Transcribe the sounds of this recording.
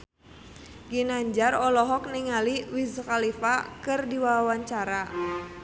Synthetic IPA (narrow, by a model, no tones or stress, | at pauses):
ɡinaɲd͡ʒarɔlɔɦɔk̚niŋaliwizkalifakɨrdiwawawaɲt͡ʃaɾa